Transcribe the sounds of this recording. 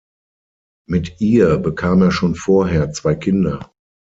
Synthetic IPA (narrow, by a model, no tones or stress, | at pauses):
mɪtʔiːɐbəkʰaːmeːɐʃoːnfoːɐɦeːɐt͡sv̥aɪkʰɪndɐ